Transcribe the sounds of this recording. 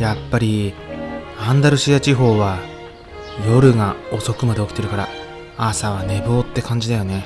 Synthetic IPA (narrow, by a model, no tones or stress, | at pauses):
japːaɾʲi | ãnd̪aɾɯ̟ɕijat͡ɕiɦo̞ːβa | jo̞ɾɯ̟ŋao̞so̞kɯ̟mad̪e̞okʲi̥t̪e̞ɾɯ̟kaɾa̰ | asaβ̞ane̞bo̞ːt̪ːe̞kãɲ̟d͡ʑid̪ajo̞ne̞